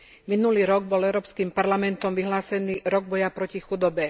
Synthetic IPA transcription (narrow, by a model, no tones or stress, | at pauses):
minuliːɾɔɡ̚bɔlɛʊɾɔːpskiːmpaɾlamɛnt̪ɔmʋiɦlaːsɛniːɾɔɡ̚bɔjapɾɔcixud̪ɔbɛ